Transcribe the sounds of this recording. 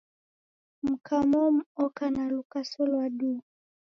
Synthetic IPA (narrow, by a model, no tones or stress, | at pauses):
m̩kʰamɔm̩ɔkanalukasɔlwaɗu